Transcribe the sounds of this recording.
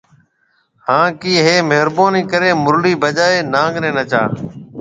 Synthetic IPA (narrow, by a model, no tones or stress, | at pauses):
hãːkiːɦeːmeɦɾboːniːkəɾeːmʊɾliːbəd͡ʒaːeːnãːŋɡnẽːnət͡ʃa̰ː